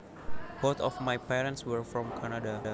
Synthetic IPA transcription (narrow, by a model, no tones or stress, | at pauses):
b̥ot̪ɔfmajpɛɾə̃ntswəɹfɹɔ̃mkʰanada